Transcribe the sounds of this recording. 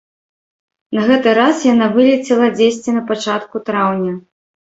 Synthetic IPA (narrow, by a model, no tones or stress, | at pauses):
nɐɣɛt̪ɨɾasjanavɨlʲit͡sʲɛlˠɐd͡zʲesʲt͡sʲinɐpat͡ʂat̪kut̪ɾawnʲɐ